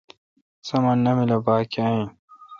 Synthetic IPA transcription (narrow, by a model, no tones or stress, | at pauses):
sɐmɐnːɐmilɐbaːkiɐ̃ĩ